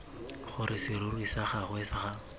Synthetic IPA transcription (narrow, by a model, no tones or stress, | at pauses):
χʊɾɪsɪrʊrwisaχaɣwesɪχa